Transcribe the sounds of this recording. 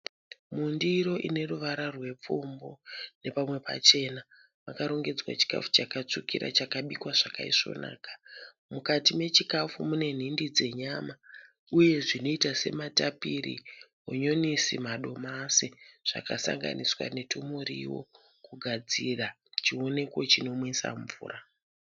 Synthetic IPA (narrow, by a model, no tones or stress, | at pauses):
mundiɾo̞ʔine̞ruʋaɾarwe̞p͡fumbo̞ne̞pamwe̞pa̰t͡ʃe̞na | makaɾo̞ŋɡe̞d͡zwa̰t͡ʃi̥ka̰fu̥t͡ʃakat͡ʂukiɾa̰t͡ʃakaɓikwaʐakaiʂo̞̰na̰ːkḁ | mukatime̞t͡ʃikafumune̞n̤indid͡ze̞ɲama | uje̞ʐino̞itase̞̰matapirḭɦoɲo̞nisimaɗo̞masiʐ̥a̰kasa̰ŋɡa̰niswa̰ne̞tʰumurḭwo̞̰ | kuɡʱad͡zira | t͡ʃio̞ne̞kwot͡ʃino̞mwesa̰ɱvṵːra